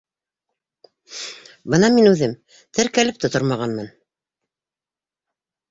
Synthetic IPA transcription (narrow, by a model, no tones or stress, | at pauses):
bɤnɑminʉðɘm | t̪ʰɘɾkælɘp̚t̪ŏt̪oɾmɑʁɑnmɤn